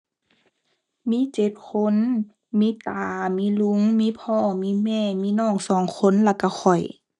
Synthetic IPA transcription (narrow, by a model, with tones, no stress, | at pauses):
miː˧˥˨t͡ɕe˨˩t̪̚kʰo˧˥˨n | miː˧˥˨t̪aː˨˦miː˧˥˨lu˧˥˨ŋmiː˧˥˨pʰɔː˧˥˩miː˧˥˨mɛː˧˨miː˧˥˨nɔː˧˥˩ŋsɔː˨˩ŋkʰo˧˥˨nlaː˧˩ka˧˩xʰɔ˨˩j